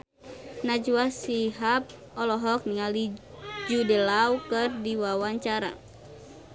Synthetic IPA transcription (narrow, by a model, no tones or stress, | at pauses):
nad͡ʒuasiɦap̚ | ɔlɔɦɔk̚niŋalid͡ʒudɛlaukɨrdiwawaɲt͡ʃaɾa̰